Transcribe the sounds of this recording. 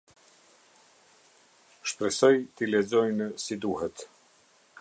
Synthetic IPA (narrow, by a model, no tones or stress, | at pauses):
ʃpɾɛsɔjt̪ilɛzɔjnəsid̪uhɛt̪